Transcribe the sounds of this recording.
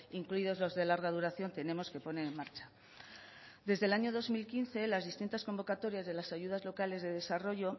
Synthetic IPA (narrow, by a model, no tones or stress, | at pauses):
iŋkluiðo̞zlo̞zðe̞laɾɣað̞uɾaθjo̞nt̪e̞nẽ̞mo̞ske̞po̞nenenmaɾt͡ʃḁ | d̪e̞zðe̞laɲo̞ð̞o̞zmilkinθe̞lazðist̪int̪asko̞mbo̞kat̪o̞ɾjazðe̞lasaʝuðazlo̞kale̞zðe̞ðe̞saro̞ʝo̞